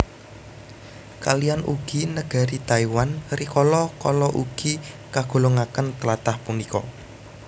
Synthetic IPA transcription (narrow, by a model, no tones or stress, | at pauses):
kalijanʔuɡ̥inəɡ̥a̤ɾit̪aiwanɾikɔlɔkɔlɔʔuɡ̥i | kaɡ̥o̤loŋakənt̪əlat̪ahpunikɔ̰